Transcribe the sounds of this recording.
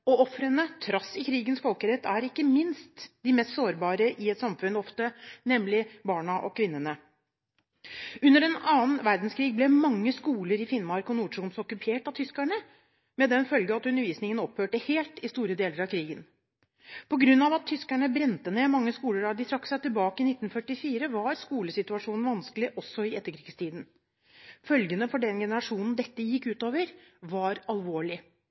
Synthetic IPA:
ɔɔfɾənət̪ʰɾɑsːɪkʰɾiːɡənsfɔlkəɾɛt̪ʰːæɾɪkːəmɪnst̪d̪ɪmɛst̪soːɾbɑːɾəʔɪɛt̪sɑmfʉnːɔft̪ənɛmlɪbɑːɳɑʔɔ̰kʰʋɪnːənə | ʉnːəɾɛnɑːnʋæɾd̪n̩skʰɾiːɡ̚blɛmɑŋːəskuːləɾɪfɪnːmɑɾkɔnuːʂuːmsɔɔkːʉpʰeːʈɑt̪ʰʏskæɳə | mɛd̪ɛnfœlɡəɑt̪ʉnːəɾʋiːsnɪŋənɔphøːʈəheːlt̪ɪst̪uːɾəd̪eːləɾɑʋkʰɾiːɡən | pʰɔɡɾʉnːɑʋɑt̪ʰːʏskæɳəbɾɛnt̪əneːmɑŋːəskuːləɾɑd̪ɪt̪ʰɾɑkːsæɪt̪ɪlbɑːkəɪnɪt̪ːn̩fœʈːɪfiːɾəʋɑɾskuːləsɪt̪ʉɑʂuːnn̩ʋɑnskəlɪʔɔsːɔɪɛt̪ːəkʰɾiːɡst̪ʰiːd̪n̩ | fœlɡənəfɔɖɛnɡɛnəɾɑʂuːnn̩d̪ɛt̪ːəjɪkːʉːt̪oːʋəɾʋɑɾɑlʋoːɭɪ

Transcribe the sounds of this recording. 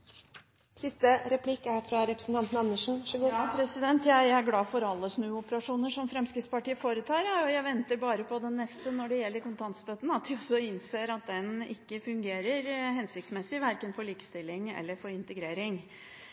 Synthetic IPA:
sɪst̪əɾɛpʰlikːæɾfɾɑɾɛpɾəsn̩t̪ɑnt̪ən̩ɑnːəʂɳ̩ɕʉɡʊpʰɾɛsɪd̪ɛnt̪jæɪæɾɡlɑːfɔɾɑlːəsnʉːʊpəɾɑʂuːnəʂɔmfɾɛmskɾɪt̪spɑʈiːəfoːɾət̪ʰɑːɾjæɔjæɪʋɛnt̪əɾbɑːɾəpʰɔd̪ɛnːɛst̪ənɔɖɛjɛlːəɾkʊnt̪ʰɑnt̪st̪øt̪n̩ɑt̪̚d̪ɪɔsɔɪnseːɾɑt̪̚d̪ɛnɪ̰kːəfʉŋɡeːɾəɾɦɛnsɪk̚t̪smɛsɪʋæɾkənfɔɾɭiːkəst̪ɪlːɪŋɛ̰lːəɾfɔɾɪnt̪əɡɾeːɾɪŋ

